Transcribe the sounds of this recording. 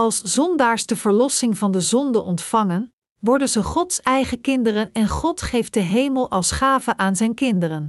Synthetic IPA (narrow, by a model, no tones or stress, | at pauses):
ɑlˠsz̥ɔndaːɹsdəv̥əɹlɔsɪŋvɑndəzɔndəʔɔntfɑŋən | ʋɔɹdənzəχɔtsɛjχəkɪndərənɛnχɔtχejf̚dəɦejməlˠɑlˠsχaːvəʔaːnzɛjnkɪndərən